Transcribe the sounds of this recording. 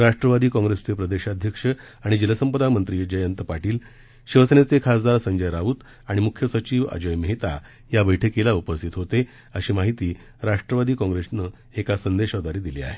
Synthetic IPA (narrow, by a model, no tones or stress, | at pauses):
ɾaʂʈɾəʋad̪iːkɔ̃ŋɡɾest͡sepɾəd̪eɕad̪ʱjəkʂə | aɽ̃id͡ʑilasəmpəd̪amənt̪ɾiːd͡ʑəjənt̪əpaʈiːl | ɕiʋəsenet͡sekʰasd̪aɾsəɲd͡ʑəjɾauːt̪ | aɽ̃imukʰjəsət͡ɕiːʋa̰d͡ʑəjməɦit̪a | jabəjʈʰekːelaupəst̪ʰit̪ɦot̪e | əɕiːmaɦit̪iː | ɾaʂʈɾəʋad̪iːkɔ̃ŋɡɾesnə | ekasənd̪eɕad̪aɾiːd̪ilea̰ɦe